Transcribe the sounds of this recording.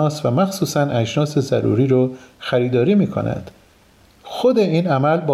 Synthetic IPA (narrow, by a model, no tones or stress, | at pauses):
ɒːsvæmæxsuːsænʔæd͡ʒnɒːse̞zæɾṵːɾiːɾoxæɾiːd̪ɒːɾiːmiːkʰo̞̰næ̰nd̪̥ | xod̪e̞iːnæmælbɒː